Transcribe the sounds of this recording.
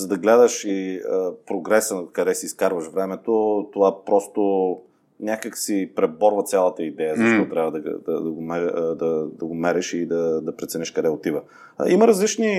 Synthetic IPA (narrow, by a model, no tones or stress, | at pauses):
zɐd̪ɐɡlɛd̪əʃiəpɾoɡɾɛsəkɐd̪ɛsiːskaɾvəʃvɾɛmɛt̪ot̪ovapɾɔst̪o | nʲjakəksipɾɛbɔɾvət̪sʲjalˠət̪əid̪ɛjəzɐʃt̪ɔt̪ɾʲabvɐd̪ɐ̰d̪ɐd̪ɐɡomɛd̪ɐd̪ɐɡomɛɾɛʃid̪ɐd̪ɐpɾɛt̪sɛniʃkɐd̪ɛot̪ivə̰ | iməɾɐzlit͡ʃni